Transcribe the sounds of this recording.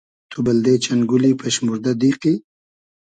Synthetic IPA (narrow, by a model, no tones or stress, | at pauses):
t̪ʰubald̪et͡ʃanɡʊlipʰeʃmuɾd̪ad̪iqi